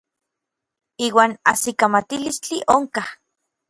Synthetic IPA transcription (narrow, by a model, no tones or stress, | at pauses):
iːwaːna̰sikamat̪ilist͡ɬiʔoŋkah